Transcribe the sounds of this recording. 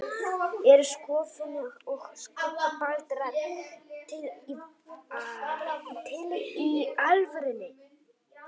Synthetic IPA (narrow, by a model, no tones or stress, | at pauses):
ɛɾʏskɔːfʏnaɣɔxskaapalt̪ɾa | t̪ʰɪli | t̪ʰɪlialvʏɾɪnːɪ